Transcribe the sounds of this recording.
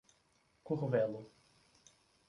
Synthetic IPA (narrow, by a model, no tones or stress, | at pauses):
kuʁvɛlʊ